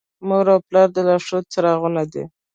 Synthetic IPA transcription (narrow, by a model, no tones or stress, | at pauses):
moɾawplɑɾd̪əlaʂot͡saɾɑɣunad̪ḛ